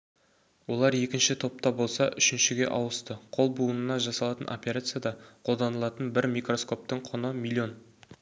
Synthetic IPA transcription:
wo̞lˠɑɾje̞kʲɪnʃɪt̪ʰo̞p̚t̪ɑbo̞lˠsɑʔʏ̰ʃɪnʃɪɡʲe̞̰ʔɑwəst̪əqʰo̞lˠbuənənɑʒɑsɑlˠɑt̪ənʔo̞̰pʲeɾat̪sɨjad̪ɑqʰo̞lˠd̪ɑnəlˠɑt̪ənbɪɾmijkro̞sko̞p̚t̪əɴqʰonəmilʲˠːio̞n

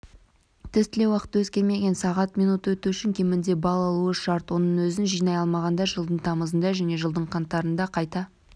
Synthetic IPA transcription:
t̪ʰɪst̪ʰɪle̞wɑqə̥t̪ːwɵzkʲe̞ɾme̞ɡʲe̞nsɑʁɑt̪mijnut̪əwɵt̪uʏʃɪŋkʲʰe̞mɪnd̪e̞bɑlˠɑlˠuəʃɑɾt̪wo̞nəɴwɵzɪnʒijnɑjɑlˠmɑʁɑnd̪ɑʒəlˠd̪əɴt̪ʰɑməzənd̪ɑʒæne̞ʒəlˠd̪əɴqʰɑnt̪ːɑɾənd̪ɑqʰɑjt̪ɑ

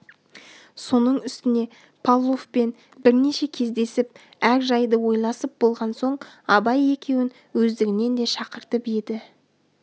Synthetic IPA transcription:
so̞nəɴʏst̪ɪne̞ | pʰalˠːofpe̞n | bɪɾne̞ʃe̞kʲʰe̞zd̪e̞sɪp̚ | æɾʒɑjd̪əwo̞jlˠɑsəp̚bo̞lˠʁɑnso̞ɴɑbɑje̞kʲʰe̞wɪn | wɵzd̪ɪɡʲɪne̞nd̪e̞ʃɑqəɾt̪əped̪ɪ

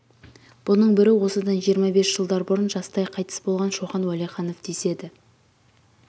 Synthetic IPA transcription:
b̥ʊnəɴbɪɾɪwo̞səd̪ɑnʒijəɾmɑbe̞sʒ̥əlˠd̪ɑɾbʊɾənʒɑst̪ɑjqʰɑjt̪ə̥sbo̞lˠʁɑnʃowχɑnwæleχɑno̞fd̪ese̞d̪ɪ

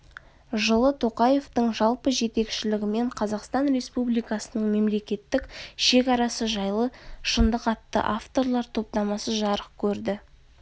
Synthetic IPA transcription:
ʒəlˠət̪ʰo̞qɑje̞ft̪əɴʒɑlˠpəʒe̞t̪e̞kʃɪlɪɡʲɪme̞ɴqʰɑzɑqst̪ɑnɾʲe̞spublijkɑsənəɴme̞mle̞kʲe̞t̪ːɪkʃe̞kɑɾɑsəʒɑjlˠəʃənd̪əqɑt̪ːə̰ʔaft̪o̞ɾlˠɑɾt̪ʰo̞p̚t̪ɑmɑsəʒɑɾəq̚kʲʰɵɾd̪ɪ

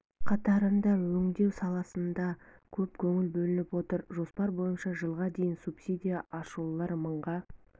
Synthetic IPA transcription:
qʰɑt̪ɑɾənd̪ɑwɵŋd̪e̞wsɑlˠɑsənd̪ɑ | kʲʰɵpkʲʰɵŋɪlbɵlɪnɪpwo̞t̪əɾʒo̞spɑɾbo̞jənʃɑʒəlˠʁɑd̪e̞jɪnsupsʲid̪ʲijaʔɑʃulˠɑɾməɴʁɑ

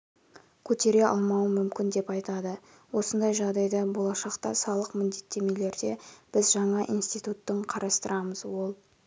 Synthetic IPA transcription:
kʲʰɵt̪e̞ɾe̞ɑ̰lˠmɑwəmʏmkʲɪnd̪e̞pɑjt̪ɑd̪ə | wo̞sənd̪ɑjʒɑʁd̪ɑjd̪ɑbo̞lˠɑʃɑqt̪ɑsɑlˠəqmʏnd̪e̞t̪ːe̞me̞le̞ɾd̪e̞b̥ɪzʒɑɴɑʔijnst̪ijt̪ut̪ːəɴqʰɑɾʔɑst̪əɾɑməzwo̞lˠ

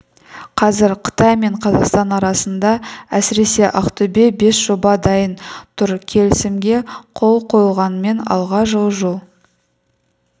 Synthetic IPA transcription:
qʰɑzɪɾqʰə̥t̪ɑjme̞ɴqʰɑzɑqst̪ɑnɑɾɑsənd̪ɑæsɪɾe̞se̞ʔɑqt̪ʰʊbe̞be̞sʒ̥obɑd̪ɑjənt̪ʰʊɾkʲʰe̞lɪsɪmɡʲe̞qʰo̞lˠqʰo̞jlˠʁɑnəme̞nɑ̰lˠʁɑʒəlˠʒulˠ

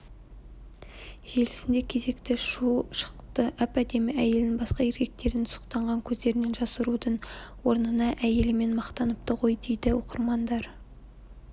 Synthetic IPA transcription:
ʒe̞lɪsɪnd̪e̞kʲʰe̞ze̞kt̪ɪʃuʃə̥qqt̪əʔæpæd̪e̞mɪæje̞lɪnbɑsqɑɪɾɡʲe̞k̚t̪e̞ɾɪnʰʊ̥sə̥qt̪ɑɴʁɑŋkʲʰɵzd̪eɾɪne̞nʒɑsəɾud̪əɴwo̞ɾnənɑʔæje̞lɪme̞nmɑqt̪ɑnəp̚t̪əʁo̞jd̪e̞jd̪ɪwo̞qəɾmɑnd̪ɑɾ

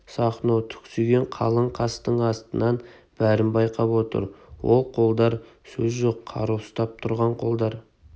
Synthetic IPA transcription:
sɑχnot̪ʰʏ̥kʲsyɡʲeɴqʰɑ̰lˠəɴqʰɑst̪əɴɑst̪ənɑnb̥æɾɪmbɑjqʰɑpwo̞t̪ə̰ɾwolˠqʰo̞lˠd̪ɑɾsɵzʒoqʰːɑ̰ɾuwst̪ɑp̚t̪ʰʊɾʁɑɴqʰo̞lˠd̪ɑɾ

